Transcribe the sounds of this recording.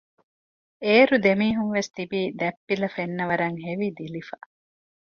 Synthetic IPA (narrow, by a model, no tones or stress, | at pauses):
eːɾud̪emiːɦuŋʋest̪ibiːd̪ɛpːilɐfenːɐʋɐɾɐŋɦeʋid̪ilifɐ